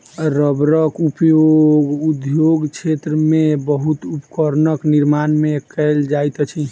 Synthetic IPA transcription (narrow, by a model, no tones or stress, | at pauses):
ɾəbɾəkupjoɡud̪joɡt͡ʃʰet̪ɾəmebəɦut̪upkəɾnəkniɾmanmekɛɪld͡ʒajt̪t͡ʃʰi